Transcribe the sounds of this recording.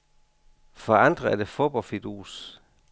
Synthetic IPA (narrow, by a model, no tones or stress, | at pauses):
fɒɑ̈nd̥ʁɐæɐd̥e̝fo̝b̥ɒlfid̥ṵːs